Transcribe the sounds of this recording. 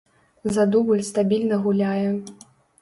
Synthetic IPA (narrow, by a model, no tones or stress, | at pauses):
zad̪ubɨlʲst̪abʲilʲnɐɣulʲajɛ